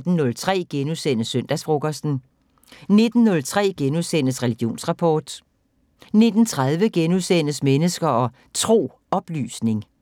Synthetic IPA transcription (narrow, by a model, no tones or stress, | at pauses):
d̥n̩nɔ̽lt͡sʰʁɛ̰ːɡ̥enuðˠsen̰əsøn̰d̥æsfʁoɡ̥ɐsd̥n̩ | ne̝d̥n̩nɔ̽lt͡sʰʁɛ̰ːɡ̥enuðˠsen̰əsʁɛliɡ̥jo̝̰ːnsʁɑ̈pʰɒːd̥ | ne̝d̥n̩t͡sʰʁað̞ˠʋəɡ̥enuðˠsen̰əsmenəsɡ̥ɐɒ̽ | t͡sʰʁo̝̰ː | ɒ̽b̥ly̰ːsne̝ŋ